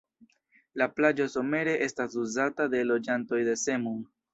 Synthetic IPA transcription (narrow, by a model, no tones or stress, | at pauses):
laplad͡ʒo̞so̞me̞ɾe̞ʔe̞stasuzatade̞lo̞d͡ʒanto̞jde̞se̞muŋ